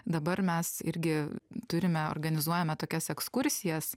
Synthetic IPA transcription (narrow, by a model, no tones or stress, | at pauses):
d̪ɐbɐɾmʲɛsɪɾʲɡʲɪt̪ʊɾʲɪmʲɛo̰rɡɐnʲɪzuɔjɛmʲɛt̪oːkʲɛsɛkskʊɾʲsʲɪjɛs